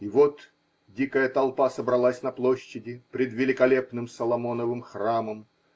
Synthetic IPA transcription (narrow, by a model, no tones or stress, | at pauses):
ɪvot̪ | dʲikəjət̪ɐlˠpasəbɾɐlˠasʲnɐplˠoɕːɪdʲɪpɾʲɪd̪vʲɪlʲɪkɐlʲepnɨmsəlˠɐmo̞nəvɨmxraməm